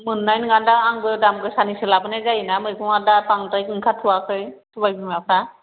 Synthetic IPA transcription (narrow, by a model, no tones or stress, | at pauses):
mɯnːajnɡadaaŋbɯjdamkɯjsanisɯlabɯnazajnamɯjkʰɯŋadapaŋtajkɯŋkʰatʰuwakʰɯjtʰubajbɯmapʰɾa